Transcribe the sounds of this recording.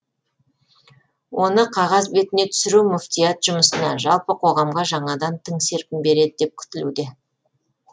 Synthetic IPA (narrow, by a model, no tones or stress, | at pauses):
wʔo̞nəqʰɑʁɑzbe̞t̪ɪne̞t̪ʰʏ̥sɪɾumʊft̪ijat̪ʒ̥ʊməsənɑ̰ʒɑlˠpəqʰo̞ʁɑmʁɑʒɑɴɑd̪ɑnt̪ʰɪŋse̞ɾpʲɪmbe̞ɾe̞d̪ɪd̪e̞p̚kʲʰʏ̥t̪ɪlṵd̪e̞